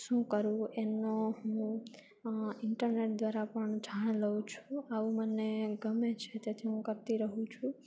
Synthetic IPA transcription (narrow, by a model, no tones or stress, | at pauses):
ʃũkəɾũenoɦũ | ɪɳʈəɾneʈ̚d̪ʋaɾapəɳd͡ʒʱaɽ̃ləũt͡ʃʰũaʋũməneɡəmet͡ʃʰet̪jat̪ʰiɦũkəɾt̪iɾəɦũt͡ʃʰũ